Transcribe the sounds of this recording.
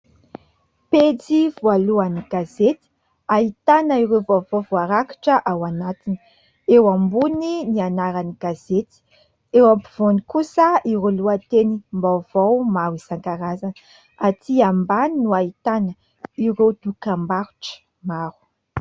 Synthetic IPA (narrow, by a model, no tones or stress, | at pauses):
ped͡zivualuaniɡ̥azet̪i̥ | ait̪anəiɾewvavovuaɾaki̥ʈ͡ʂəʔawanat̪ini̥ | ewambuninianaɾaniɡ̥azet̪i̥ | ewampiv̥onikusəiɾuluat̪enimbawv̥owmawiz̥aŋkaɾazanə | at̪iambaninuait̪anə | iɾewd̪̥ukambaɾu̥ʈ͡ʂə̥ | maɾu̥